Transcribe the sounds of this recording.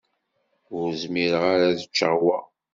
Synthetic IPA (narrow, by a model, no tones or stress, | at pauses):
ʊɾzmiɾəʁaɾaðət͡ʃːəʁwa